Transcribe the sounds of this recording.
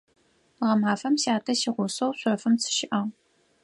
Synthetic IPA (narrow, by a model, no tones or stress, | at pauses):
ʁɐmaːfɐmɕaːtʰɐɕiːʁʷʊsɐwɕʷɔfɨmt͡sʰɨ̥ʃɪʔɐʁ